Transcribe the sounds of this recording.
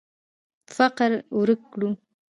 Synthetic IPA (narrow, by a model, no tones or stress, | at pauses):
faqɾwɾəkːɽu